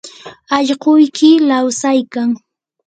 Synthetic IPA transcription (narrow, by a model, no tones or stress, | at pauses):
ɑʎɢʊjkɪlawsajkaŋ